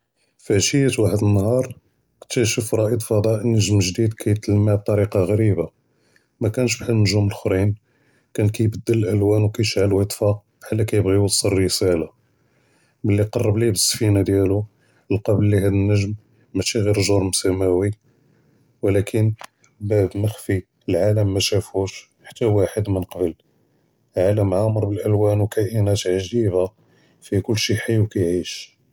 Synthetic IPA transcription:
fæʃijæt̪waħəd̪ənːhɑɾˤ | kt̪ːæʃufɾˤɑʔid̪fɑd̪ˤɑʔnːəʒmʒd̪id̪kʰæjət̪ləmːab̚t̪ˤɑɾiqɑɣæɾiba | mækænʃ̬bħəlːnəʒuməlxɾin | kænkæjbəd̪ːələlʔəlwænwkæjʃʕəlwət̪ˤfɑq̚ | ħalːækæjəbɣiwɑsˤːəɾːəsæla | məlːiqɑrˤːəblibəsːfinad̪jælu | lqɑbəlːiɦæd̪ənːəʒmː | æʃiɣiɾʒuɾmsæmæwi | wəlækʰən | bæb̪məxfi | əlʕaləmːæʃæfuʃ | ħḁt̪ːæwaħəd̪mənqɑbəl | lʕaləmʕaməɾˤbəlʔəlwænwkʰæʔənæt̪ʕʒiba | fikʊlːʃiħijːwkæjʕiʃ

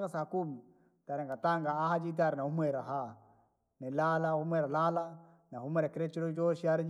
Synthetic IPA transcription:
ɡasakum | taɾɛŋɡataŋɡaahad͡ʒit̬aɾɛnahumeɾaɦa | nɛlalahumɛɾalala | naɦumɛɾakiɾɛt͡ʃiɾod͡ʒoʃiaɾɛ

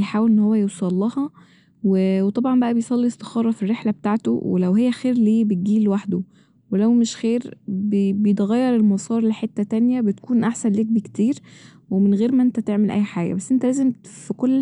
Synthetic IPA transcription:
jħaːwelʔenːhowːæjewsˤɑlːɑhɑ | wewet̪ˤɑbʕɑnmbæʔæbejsˤɑlːiest̪e̥xɑːɾˤɑfirːeħlæbet̪aʕt̪o̰wḛlæwhejːæxeːɾleːbet̪̚ɡiːlwaħd̪o | welæwmeʃxeːɾbebjet̪ɣæjːɑɾˤelmɑsˤɑːɾˤleħet̪ːæt̪ænjæbet̪̚kuːnʔaħsænlek̚bikt̪iːɾ | wemenɣeːɾmæʔent̪æt̪eʕmelʔæ̰jːħaːɡæ̰bæsːʔent̪ælæːzemfikolː

